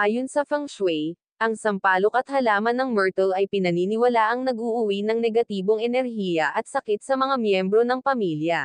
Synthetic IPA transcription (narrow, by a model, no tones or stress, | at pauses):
ʔaːjo̞nsɐfɐŋswɛj | ʔɐŋsɐmpaːlokɐt̪̚hɐlaːmɐnːɐŋmɛɹt̪ɐlɐjpɪnɐniːnɪwɐlaʔɐŋnɐɡuʔʊwinɐŋnɛɡɐt̪iːbo̞ŋɛnɛɾɦiːjɐʔɐt̪̚sɐkɪt̪̚sɐmɐŋamjɛmbɾo̞nɐŋpɐmiljɐ